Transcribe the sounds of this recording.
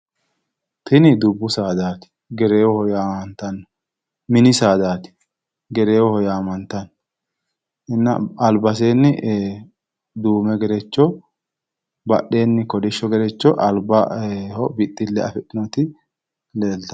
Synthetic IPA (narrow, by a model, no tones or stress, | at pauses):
t̪ʰɪnɪd̪ʊbːʊsaːd̪aːt̪ɪ̥ | ɡɛɾe̞ːwɔhɔjaːmɐnt̪ɐnːɔ̥ | mɪnɪsaːd̪aːt̪ɪ̥ | ɡɛɾeːwɔhɔjaːmɐnt̪ɐn | ɪnːɐɐlbɐs̬e̞ːnːɪ | d̪uːmɛɡɛɾɛt͡ʃːɔ | bɐʔe̞ːnːɪkɔd̪ɪʃːɔɡɛɾɛt͡ʃːɔʔɐlbɐhɔbɪt̪ʼːɪlːɛɐfɛt̪ʼːɪnɔt̪ɪ | le̞ːlt̪ɐ